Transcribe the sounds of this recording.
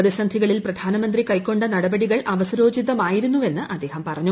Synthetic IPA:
ðɐsɐnd̪ʱiɣɐɭilprɐd̪ʱaːnɐmɐnd̪rikɐjkːo̞ɳɖɨnɐɽɐbɐɽiɣɐɭʔɐʋɐsɐɾo̞ːd͡ʑid̪ːɐmaːjiɾunːuʋe̞nːɨʔɐd̪ːe̞ːhɐmpɐrɐɲːu

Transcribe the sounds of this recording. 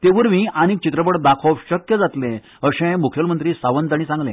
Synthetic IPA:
t̪eʋəɾmiːʔañikt͡ɕit̪ɾəp̬əɽd̪akʰoʋɕəkjəd͡zat̪lẽ | əɕẽmukʰjəlmənt̪ɾiːsaʋənd͡z̪aɽ̃iːsãŋɡlḛ̃

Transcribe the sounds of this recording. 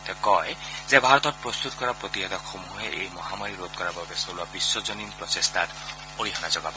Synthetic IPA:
t̪ɔkɔjzebʱaɹɔt̪ɔt̚pɹɔst̪ut̪̚kɔɾapɹɔt̪iɦed̪ɔkxomuɦeʔejmɔɦamaɾiɾod̪̚kɔɾabɔbesoluabisːɔzɔninpɹɔtest̪ʰat | oɾiɦɔnazɔɡabɔ

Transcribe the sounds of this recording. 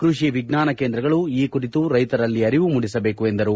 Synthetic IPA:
kɾuʃiʋiɡnaːnɐkeːnd̪ɾɐɡɐɭuiːkuɾit̪uɾɐjt̪ɐɾɐlːiɐɾiʋumuɽisɐbe̞ːkue̞nd̪ɐɾu

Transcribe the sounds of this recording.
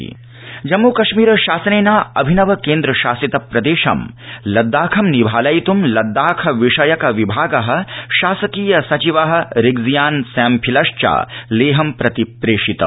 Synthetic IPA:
d͡ʒɐmːukɐʃmiːɾɐʃaːsɐneːnaːɐ̰bʱinɐʋɐkeːnd̪ɾɐʃaːsit̪ɐpɾɐd̪eːʃɐ̰m | lɐd̪ːaːkʰɐmnibʱaːlɐjt̪umlɐd̪ːaːkʰɐʋiʂɐjɐkɐʋibʱaːɡɐɦɐ̆ʃaːsɐkiːjɐsɐt͡ʃiʋɐɦɐ̆ɾiɡzijaːnsɛːmpʰilɐʂt͡ʃa̰ːleːɦɐmpɾɐt̪ipɾeːʂit̪ɐ̰

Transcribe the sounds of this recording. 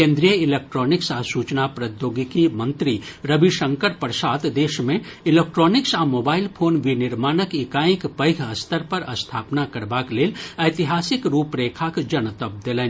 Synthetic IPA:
kẽːnd̪ɾijəɪlek̚ʈɾɔːnɪksaːsuːt͡ʃnapɾəd̪joːɡikimə̃nt̪ɾiɾəbʱiʃə̃ŋkəɾpəɾsaːt̪d̪eːʃmẽɪlek̚ʈɾoːnɪksamoːbaːɪlpʰoːnʋinɪɾmaːnəkɪkaːɪ̃kpəɪkʰɐst̪ʰəɾpɐɾɐst̪ʰaːpnakɐɾbaːkleːlɐjt̪iɦaːsɪkɾuːpɾeːkʰakd͡ʒɐnət̪əb̚d̪elẽː

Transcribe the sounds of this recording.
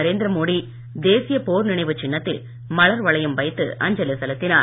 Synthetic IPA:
ɐɾeːnd̪ɪɾɐmoːɽi | d̪eːsɪjɐpoːɾnɪɳɐɪʋɯt͡ʃːɪɳːɐt̪ːɪl | mɐɭɐɾʋɐɭɐjɯmʋɐɪt̪ːɯ̰ʔɐ̰ɲd͡ʒɐlesɐlɐt̪ːɪnaː

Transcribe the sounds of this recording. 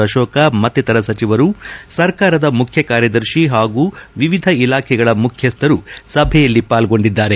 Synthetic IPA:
ɐʃɔːkɐmɐt̪ːit̪ɐɾɐsɐt͡ʃiʋɐɾusɐɾkaːɾɐd̪ɐmukʰjɐkaːɾjɐd̪ɐɾʃiɦaːɡuːʋiʋid̪ʱɐilaːkʰɛɡɐɭɐmukʰjɐst̪ʰɐɾusɐbʱɛjɐlːipaːlɡo̞ɳɖid̪ːaːɾe

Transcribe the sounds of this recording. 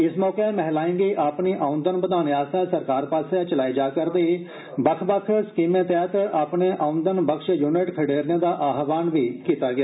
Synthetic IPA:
ɪsmɔːkemɛɦlaːĩŋɡiːʔaːpniːʔaːʊ̃nd̪ənpəd̪aːnjaːsaːsəɾkaːɾpaːset͡ʃəlaːid͡ʒaːkəɾd̪eiː | bəkʰbəkʰskiːmẽːt̪ɛːt̪əʔaːpneːʔaːʊ̃nd̪ənbəkʃjuːnɪʈkʰəɖeːɾjãːd̪aːʔaːɦʋaːnʋiːkiːt̪aːɡɪjaː

